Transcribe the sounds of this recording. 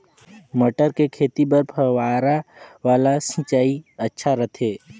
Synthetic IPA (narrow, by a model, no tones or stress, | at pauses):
məʈəɾkekʰeːt̪ibəɾpʰəwaːɾaʋaːlasĩt͡ʃaːiɐtːʃʰaɾɐt̪ʰeː